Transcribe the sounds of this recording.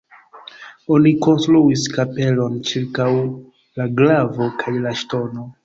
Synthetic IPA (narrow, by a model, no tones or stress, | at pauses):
o̞niko̞nstɾuiskape̞lo̞nt͡ʃiɾkaw | laɡlavo̞kʰajlaʃto̞no̞